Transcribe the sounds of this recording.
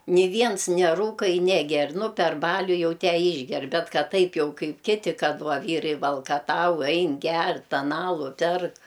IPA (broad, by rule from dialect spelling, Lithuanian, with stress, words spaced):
nʲɪ ˈʋʲiɛns nʲɛˈruːkɐ ɪ nʲɛˈɡʲɛr nʊ pʲɛr ˈbɑːlʲʊ ˈjɛʊ ˈtʲæː ˈiːʒʲɡʲɛr ˈbʲɛt ˈkɐt ˈtɐɪp jɛʊ ˈkɐɪp ˈkʲɪtʲɪ ˈkɐt ˈʋɐ ˈʋʲiːrɐɪ ʋɐlˠkɐˈtɐʊ ˈɐɪn ˈɡʲɛr ˈtʲɛn ˈɑːlˠʊ ˈpʲɛrk